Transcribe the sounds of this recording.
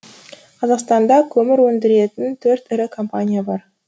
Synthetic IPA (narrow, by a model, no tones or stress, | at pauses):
qʰɑzɑqst̪ɑnd̪ɑkʲʰɵmɪɾwɵnd̪ɪɾe̞t̪ɪnt̪ʰɵɾt̪ɪɾɪkʰo̞mpanʲijabɑɾ